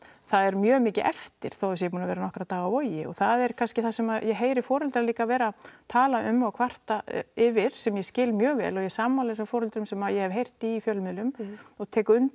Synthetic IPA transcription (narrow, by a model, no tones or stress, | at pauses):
θaðɛɾmjœːmɪːcɪʔɛft̪ɪɾ̥θowɛsjɛpuːnavɛːɾanɔhkɾaðt̪aːɣaɔjɪɔ̰ɣθaðɛɾ̥kʰanscɪθasɛmaðjɛɦeːjɾɪfɔːɾʏlt̪ɾaliːkavɛːɾat̪ʰaːlaʔʏmːawkʰvar̥t̪aɪvɪɾ̥sɛmjɛscɪːlmjœːɣvɛ̰ːlɔjɛsaːmaleːsafɔːɾɛlt̪ɾʏmsɛmajɛhɛvɦejr̥t̪iːfjœlmɪlʏmɔɣt̪ʰɛːkʏn